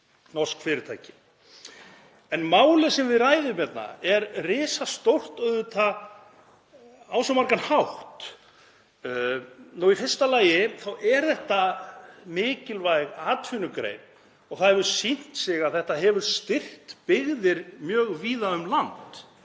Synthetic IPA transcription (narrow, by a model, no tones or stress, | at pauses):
nɔskfɪɾɪɾt̪ʰajcɪ̥ | ɛnmaːwlɪsɛmvɪðraːjðʏmɛt̪na̰ɛɾrɪːsast̪owl̥t̪œðʏt̪ʰa | aːwsamaɾkanhawht̪ | nuifɪrst̪alaːjɪθawɛɾθɛht̪amɪːcɪlvajɣaːt̪fʏnʏkɾḛjn | ɔɣθaðhɛvʏɾ̥sin̥t̪sɪɣaðθɛht̪aɦɛvʏɾ̥st̪ɪr̥t̪pɪɣðɪɾmjœːɣviːðaʏmlant̪